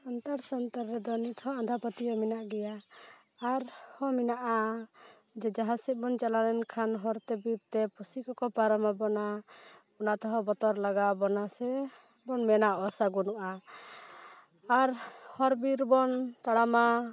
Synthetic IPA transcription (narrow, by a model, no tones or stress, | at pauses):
ant̪aɾsant̪aɾːɛd̪ɔnit̪ɦɔ̃and̪ʱapət̪ijɔminaʔɡɛjaː | ɾhɔminaʔa | d͡ʒɛd͡ʒaɦasit̪̚bɔnt͡ʃalaɾɛnkʰanɦɔɾt̪ɛbiɾt̪ɛpusikɔkɔpaɾɔmabɔna | ɔnat̪ɔɦɔ̃bɔt̪ɔɾlaɡaʔbɔnasɛ | bɔnmɛnaʔɔsaɡunuʔa | aɾhɔɾbiɾbɔnt̪aɽama